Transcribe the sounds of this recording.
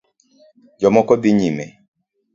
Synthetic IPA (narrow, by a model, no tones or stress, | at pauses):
d͡ʒɔmɔkɔbiɲimɛ